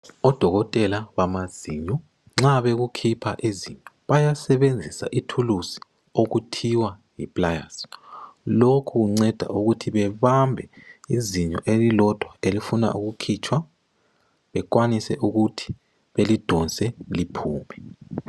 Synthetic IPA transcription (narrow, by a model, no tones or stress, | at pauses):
ɔd̥ʱɔɣɔtʼɛlaβamaz̥iɲɔ | ŋ͡ǁaβeɣukʰipʰa̰ʔiziɲɔβajasɛβend͡zʱisa̰ʔitʰulusi̥ | oɣutʰiwajipʼlaja̰s | lokʰuɣuŋ͡ǀɛd̥ʱa̰ʔuɣutʰiβɛβambʱɛiziɲɔ̰ʔelilɔd̥ʱwaelifuna̰ʔuɣukʰit͡ʃʰʼwa | βɛkwanisɛʔuɣutʰi̥ | βelid̥ʱɔnsʼɛlipʰuːmɛ